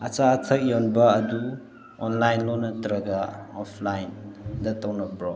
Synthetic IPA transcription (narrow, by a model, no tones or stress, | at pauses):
ɐt͡saːtʰɐk̚jɔnbɐɐdu | ɔnlajnlɔnɐtɾɐɡaɔpʰlajndɐtɐwnɐbɾɔ